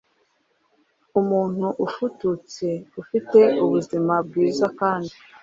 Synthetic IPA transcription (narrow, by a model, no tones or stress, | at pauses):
umuːn̥huʔufutut͡se̞ufite̞uβuzimab̚ɡiːzakaːndi